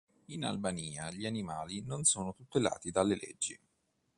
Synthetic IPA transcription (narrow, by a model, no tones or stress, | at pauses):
ina̰lbaniːaʎianimaːlinonsoːnot̪ut̪ːela̰ːt̪id̪alːelḛd͡ʒːi